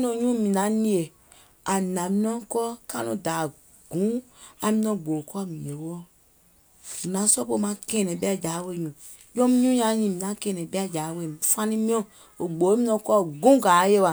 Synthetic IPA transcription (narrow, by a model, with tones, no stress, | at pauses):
nɔ̃˧˨ɲũ˦mĩ˨nã˨˦nĩ˧e˨ | a˨nã˨mĩ˧nɔ̃˦kɔː˦ka˦nũ˨daː˨ | ɡ̥ũ˨˦a˨mĩ˧nɔ̃˧˨ɡ͡bo˨kɔ˦a˦˨mĩ˨e˨wo˦ɔ˦ | mi˨nã˨˦sɔ˦po˧˨mã˨˧˦kɛ˨nɛ̃˨ɓɛ˦a˦˨d͡ʒaː˨˦we˧˨ɲũ˨ | d͡ʒɔ̃˦mĩ˦ɲũ˦ɲã˧˦ɲĩ˨mĩ˨nã˨˦kɛ̃ː˨nɛ̃˨ɓɛ˦a˦˨d͡ʒaː˨˦we˧˨nũ˨fã˧nĩ˦mĩ˦ɔ̃˦˧˨ | o˨ɡ͡bo˨˦mĩ˦nɔ̃˧˨kɔː˦˨ɡũ˦˨ɡaː˨˦je˦˨wa˨